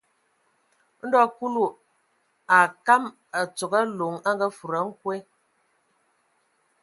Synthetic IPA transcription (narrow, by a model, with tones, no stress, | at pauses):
n̩˦dɔ˦ku˦lu˦˨ | a˨ka˦m | a˨t͡so˨ɡa˦lo˨ŋa˦ŋɡa˦fu˨ɾa˨˦ŋ̩˦kwe˦